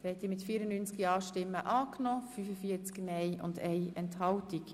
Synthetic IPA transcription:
hɛt̪ːimɪtfiəɾənynt͡skiɑːʃtɪmːəʔɑːknɔːfyfəfiət͡skmɛɪʊ̰ndɛjɛnthɑltik

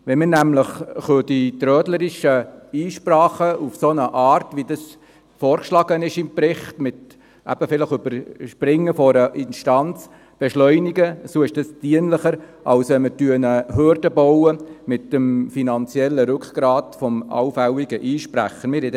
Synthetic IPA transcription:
ʋɛmɪnæmləχχødit̪ɾœːdləɾiʃəiːʃpɾɑːχəufsonəʔɑːɾtʋidɑs | fɔːɾkʃlɑɡ̥ənɪʃɪmpɾɪχtmɪt | æ̰b̥əfɪləχøbəɾʃpɾɪŋːəfɔɾəʔɪnʃtɑnt͡s | b̥ɛʃlœʏniɡəsoːɪʃd̥ɑstiənləχəɾ | ʔɑlsʋɛmətyənəɦøːɾdəbɔwəmɪtːəmfinɑnt͡sjɛlːəɾʉkχɡ̥ɾɑːtfɔmɑ̰wfæwiɡəʔiːʃpɾæ̰χənmɪːɾhid

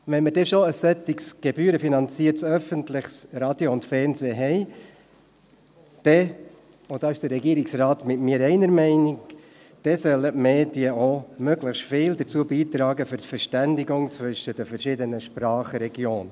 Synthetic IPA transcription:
ʋɛnmədɛʃoəsːɛt̪ɪksɡ̥ebyːɾəfinɑnt͡siːətsœfəntlɪχsɾɑːd̥̪joʊntfɛɾnzeːɦɛɪ | d̪̥ɛ | ʊd̥ɑːɪʃd̥əɾːɛɡiːəɾɪksrɑːt̪mɪtmɪːəɾɛɪnəɾmɛɪnɪk | d̥ɛsœlːətmeːdiəomøɡlɪxʃtfɪːld̪əɾt͡suəbiːt̪ɾɑːɡəfʏɾtfɛɾʃtændɪɡʊŋt͡svʏʃəd̥əfəɾʃɪdənəʃpɾɑːχɾɛɡ̥joːn

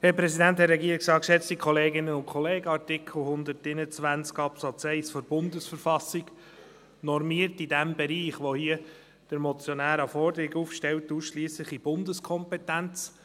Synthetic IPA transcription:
hɛpɾɛsidænthɛɾɛɡiːɾɪksɑːkʃɛt͡stikχɔleːɡɪnənʊnkʰɔleːɡəɑɾtɪkʰl̩hʊnd̪əɾtɪnət͡sʋænt͡skɑpsɑt͡sɛɪsfɔɾbʊndəsfəɾfɑsiɡ̥ | nɔɾmiəɾtidæmbɛɾiːχʋohiə | d̥əɾmɔt͡sjɔnæːɾɑfɔrdəɾiɡufʃtɛltuːsʃliːsləχib̥ʊndəskʰɔmpɛtænt͡s

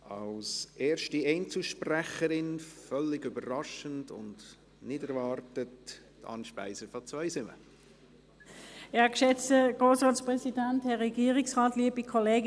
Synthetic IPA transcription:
ɑlsʔeːɾʃtiɛɪnt͡suʃpræχəɾɪnfœlːɪɡybəɾɾɑʃəndʊ̰nd | nɪdəɾvɑːrtət | tɑ̰nʃpæ̰ɪsəɾfɔt͡svœɪsɪmə̰ | ɑkʃɛt͡stəɡ̥ʁoːsʁaːtspʁɛsidɛnthɛʁɛɡiːʁɪksʁaːtliəbikʰɔleːɡ

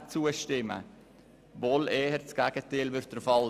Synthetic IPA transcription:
t͡suəʃtɪmə̰ | voːlɛːhəɾt͡sɡ̥æɡ̥ətɪːlʋʏɾt̚d̥ɾfɑl

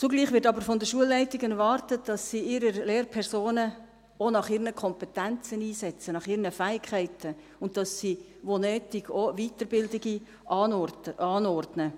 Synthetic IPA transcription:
t͡suɡliːχʋɪɾtɑbəɾfɔndəʃuəlːɛɪtɪɡənʋɑrtət̚d̥ɑsːiːɪɾəɾleːɾpʰɛɾsoːnə | onɑχiːɾnəkʰɔmpɛtænt͡səniːsɛt͡sənɑχiːɾnəfæːɪkʰæɪtʰə | ʊnt̚d̥ɑsːi | ʋonøːtɪɡoʋiːtəɾbɪldɪɡi | ɑːnɔrdnə

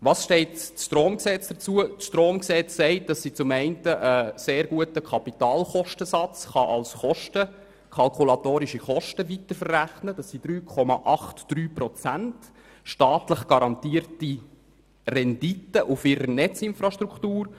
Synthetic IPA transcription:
ʋɑːsʃtɛɪtʃtɾoːmksɛt͡sd̥ət͡suəʃtɾoːmksɛt͡ssɛɪt̚d̥ɑsːit͡sʊmɛɪntəʔəseːɾɡuətəkʰɑpitɑːlχɔʃtəsɑt͡sχɑʔɑlsχɔʃtə | kʰɑlkʰulɑtoːɾiʃiχɔʃtəʋitəɾfərːæχnəd̥ɑsːid̥ɾyːkʰɔmɑʔɑχtd̥ɾyːpɾɔt͡sænt | ʃtɑːtləχɡ̥ɑɾɑntiːəɾti | rɛnditəʔufɪɾənɛt͡sɪnfɾɑʃtɾuktuːɾ

